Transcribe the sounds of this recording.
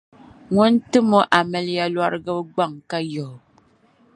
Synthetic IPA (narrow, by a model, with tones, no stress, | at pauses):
ŋɔ˦n˦tɨ˦mo˦ʔa˨mɛ˨lja˦lwa˦ɾɨ˦ɡɨ˦bɡ͡ba˦˨ŋka˦jo˨